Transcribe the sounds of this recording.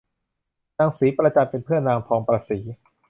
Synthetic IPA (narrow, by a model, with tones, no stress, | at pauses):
naː˧ŋsiː˩˦pɾa˧t͡ɕa˧mpe˧npʰɯ˥˩ənaː˧ŋpʰɔː˧ŋpɾaː˧siː˩˦